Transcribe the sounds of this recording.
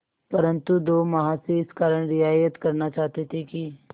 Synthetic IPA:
pɐɾə̃nt̪ud̪oːmɐɦãseɪskaːɾəɽ̃ɾɪaːjət̪kɐɾnat͡ʃaːɦt̪et̪ʰeki

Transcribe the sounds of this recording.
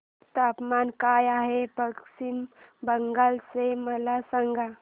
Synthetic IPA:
t̪apmankajaɦepəksimbəŋɡalseməlasaŋɡʱa

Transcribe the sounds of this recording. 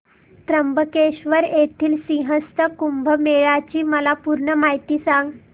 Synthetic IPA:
t̪ɾəmbʱəkeɕʋəɾet̪ʰiːlsĩɦəst̪əkumbʱəmeɭat͡ɕiːməlapuɾɳəmaɦit̪iːsãŋɡ

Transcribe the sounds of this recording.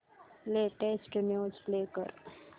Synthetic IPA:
leːʈesʈmjoːslekə̰ɾ

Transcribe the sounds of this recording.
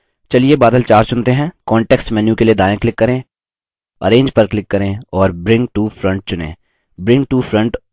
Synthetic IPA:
t͡ʃɐliebaːd̪əlt͡ʃaːɾt͡ʃʊ̃nt̪eɦɛ̃ːkɔ̃ːɳʈeːksʈmɛːnjukelied̪aːjẽklɪkːɐɾẽː | ɐ̰ɾẽːɲd͡ʒpɐɾklɪkːɐɾẽɔːɾbɾɪ̃ŋɡ̚ʈuːfɾɐ̃ɳʈ̚t͡ʃʊnḛ̃ː | bɾɪ̃ŋɡ̚ʈuːfɾɐ̃ɳʈ

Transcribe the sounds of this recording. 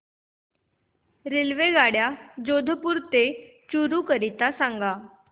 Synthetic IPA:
ɾilʋeɡaɽjad͡ʑod̪ʱəpuːɾt̪e | t͡ɕuɾukəɾit̪asãŋɡa

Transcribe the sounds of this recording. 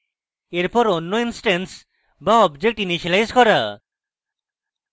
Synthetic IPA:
eɾpɔɾonːɔinsʈens | baɔbd͡ʒek̚ʈinit͡ʃʰalajzkɔɾa

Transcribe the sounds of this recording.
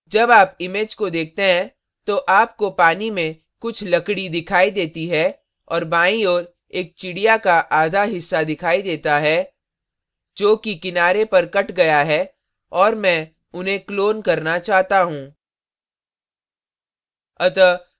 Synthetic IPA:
d͡ʒɐbaːpɪmeːd͡ʒkod̪eːk̚ʰt̪eɦɛ̃ | t̪oʔaːp̚kopaːnimẽ | kʊt͡ʃʰlɐkɽid̪ɪkʰaːid̪eːt̪iɦɛ | ɔːɾbãːĩɔːɾ | eːk̚t͡ʃɪɽijakaʔaːd̪ʱaɦɪsːad̪ɪkʰaːid̪eːt̪aɦɛ | d͡ʒoːkikɪnaːɾepɐɾkɐʈɡɐjaɦɛː | ɔːɾmɛ̃ː | ʊnɦẽkloːnkɐɾnat͡ʃaːɦt̪aɦũː | ɐt̪ə

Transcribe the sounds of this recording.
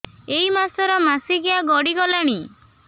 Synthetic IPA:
eimasɔɾɔmasiɡiaɡɔɽiɡɔlaɽ̃i

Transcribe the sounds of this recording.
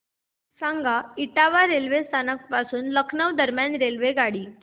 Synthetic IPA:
sãŋɡʱaiʈaʋaɾelʋest̪ʰanək̚pasuːnləkʰnəʋd̪əɾmjanɾelʋeɡaɽiː

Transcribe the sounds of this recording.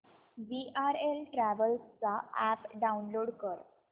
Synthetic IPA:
ʋiʔaɾelʈɾæʋəlst͡saæpɖaunloɽkəɾ

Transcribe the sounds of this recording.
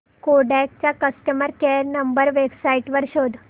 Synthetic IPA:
koɖɛk̚t͡ɕjakəsʈəməɾkeɾnəmbəɾʋebsaiʈʋəɾɕod̪ʱ

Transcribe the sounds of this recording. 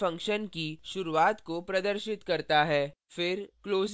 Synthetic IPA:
ɐ̃ŋkʃənkiʃʊɾuaːt̪kopɾɐd̪əɾʃɪt̪kɐɾt̪aɦɛː | fɪɾkloːz

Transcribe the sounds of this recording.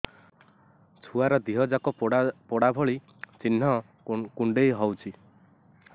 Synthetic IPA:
t͡ʃʰuaɾɔd̪iɦɔd͡ʒakɔpɔɽabʱɔɭi | t͡ʃinɦɔ | kuɳɖejɦɔwt͡ʃʰi

